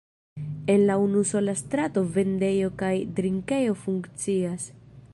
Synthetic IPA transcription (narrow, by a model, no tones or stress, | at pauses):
e̞nlaunuso̞last̪ɾato̞ve̞nde̞jo̞kajdɾiŋke̞jo̞fuŋkt͡sias